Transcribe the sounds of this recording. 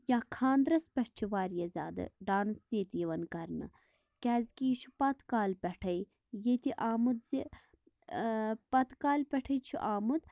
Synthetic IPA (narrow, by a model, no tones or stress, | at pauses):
jaːkʰaːnd̪ɾɐspʲɛʈ̚ʰt͡ʃʰiʋaːɾjɐzʲa̰ːd̪ɨ̰ɖaːnseːt̪jiʋɐnkɐɾnɨ̰ | kʲɛːzʲkiːt͡ʃʰu̥pɐt̪kaːlpʲɐʈʰɐj | jet̪iʔaːmud̪zi | pɐt̪kaːlpʲɐʈʰɐjt͡ʃʰḭʔaːmud̪